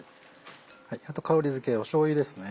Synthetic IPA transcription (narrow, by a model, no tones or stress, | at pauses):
haiat̪o̞kaoɾʲizɨke̞oɕo̞ːid̪e̞sɨne